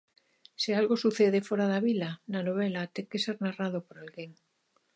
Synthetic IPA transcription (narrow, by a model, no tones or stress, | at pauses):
sialɣo̞suθeð̞e̞fwoɾaðaβilananoβ̞elat̪eŋke̞se̞ɾnarað̞o̞poɾalɣeŋ